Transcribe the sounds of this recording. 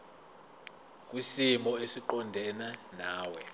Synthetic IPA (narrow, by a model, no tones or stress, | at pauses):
k̬ʼwisimɔesiǃɔndʱɛnanaːwɛ